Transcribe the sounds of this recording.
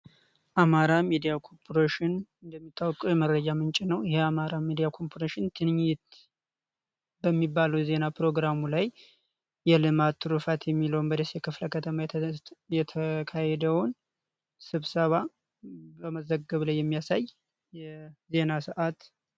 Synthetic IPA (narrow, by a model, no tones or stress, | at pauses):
ʔamaɾamid̪ijakʰo̞ɾpʰoɾeʃɪnɨnd̪əmːit̪ʼːawkʼujɛməɾəd͡ʒamɨnt͡ʃʼɪnəwjɪheamaɾamid̪ijakʰo̞mpʰoɾeʃɪnt̪ʰɨnɲːɪt̪ | bəmːibːaləwɛze̞napɾo̞ɡɾamulajː | ɛlɨmat̪ʰːɨɾufat̪jɛmːiləwnbəd̪esjɛkɨfləkʰət̪ʰəmajɛt̪ʰəkʰajɛd̪əwʊn | sɨβsəβa | bəməzəɡːəβlajːɛmːijasaj | jɛze̞nasɨʔat̪